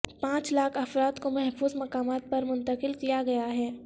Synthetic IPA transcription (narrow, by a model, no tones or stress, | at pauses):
pãːt͡ʃlaːkʰɐfɾaːt̪komɛɦfuːzmɐkaːmaːt̪̚pɐɾmʊ̃nt̪əqɪlkijaɡɐjaɦɛː